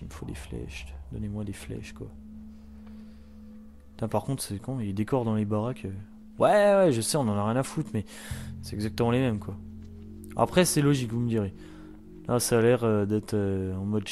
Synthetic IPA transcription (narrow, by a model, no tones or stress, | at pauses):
infod̪ḛflɛ̰ʃd̪ɔnemwad̪eflɛ̰ʃkwa̰ | fɛ̃paʁkɔ̃t̪χsɛkɔ̃iled̪ekɔʁd̪ɑ̃lebaʁakʰø | wʔɛwɛʒəsɛɔ̃nɑ̃naʁjɛ̃nafut̪mɛ | sɛt̪ɛɡzak̚t̪əmɑ̃lemɛmkwa | a̰pχɛsɛlɔʒikvuməd̪iʁje | lʔasaːlɛʁød̪ɛt̪χøɑ̃mɔd̪